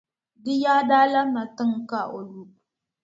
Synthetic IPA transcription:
dɪ˦jaː˦daː˦la˦ma˨tɨ˦ŋka˦ʔo˨lu˦b

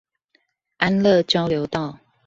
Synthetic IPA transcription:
ʔa˦nlə˥˨t͡ɕjɑ˦ʊljo˨˦ʊt̪ɑ˥˨ʊ

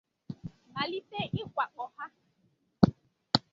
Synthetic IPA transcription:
ma˨li˦pe˦˨ʔɪ˦kʷa˨k͡pɔ˨ha˦

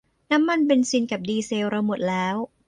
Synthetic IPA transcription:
na˦˥mːa˧np̬e˧nsi˧nka˨˩p̚diː˧seː˧wɾa˧wmo˨˩t̪̚lɛː˦˥w

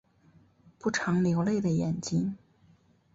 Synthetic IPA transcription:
pu˥˩ʈ͡ʂʰɑ˧˥ŋljo˧˥ʊle˥˩ɪd̪ə˩jɛ˨˩nt͡ɕi˥ŋ

